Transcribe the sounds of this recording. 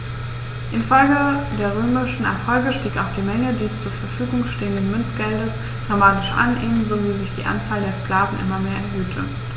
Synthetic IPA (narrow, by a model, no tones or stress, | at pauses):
ʔɪnfɔlɡədeːɐʁ̞øːmɪʃn̩ɛ̰ɐfɔlɡəʃtiːkaʊxd̥iːmɛŋədiːst͡suːɐfɛɐfyːɡʊŋʃteːəndənmʏnt͡sɡ̥ɛldəs | d̥ʁamaːtɪʃʔa̰nʔeːnnzoviːzɪçd̥iːʔa̰nt͡saːldeːɐskl̥aːvn̩ʔɪ̰mɐmeːɐʔɛɐɦøːtʰə